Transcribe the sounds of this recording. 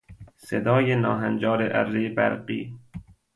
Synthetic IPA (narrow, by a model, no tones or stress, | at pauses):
sḛd̪ɒːjenɒːɦænd͡ʒɒːɾeʔæ̰ɾzejebæ̰ɾɢiː